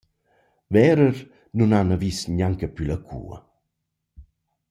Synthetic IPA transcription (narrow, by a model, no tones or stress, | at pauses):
vɛɾəɾ | nunanavisɲaŋkəpylakʰṵːə̰